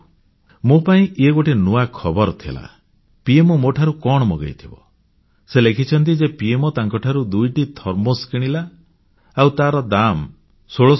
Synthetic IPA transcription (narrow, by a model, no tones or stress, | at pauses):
mopaĩeɡoʈʰenuakʰɔbɔɾt̪ʰḭla̰ | piemɔmoʈʰaɾukɔɽ̃ɔmɔɡa̰jt̪ʰibɔ̰ | selekʰit͡ʃʰɔnt̪id͡ʒepiemɔt̪aŋkɔʈʰaɾud̪ujʈit̪ʰɔɾmoskiɽ̃ilaː | wt̪aɾɔd̪am | soɭo